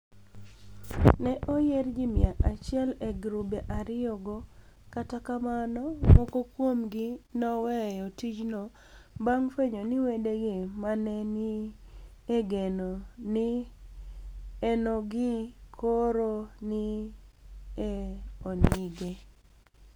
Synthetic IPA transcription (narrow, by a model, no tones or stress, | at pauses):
nɛʔojerd͡ʒimɪaʔat͡ʃɪɛleɡɾubeʔaɾɪoɡo | katakamanɔmɔkokwomɡinɔwɛjɔtid͡ʒno | baŋfeɲoniwedeɡemanɛni | eɡenonɪ | enoɡɪkʰoɾoni | eoniɡe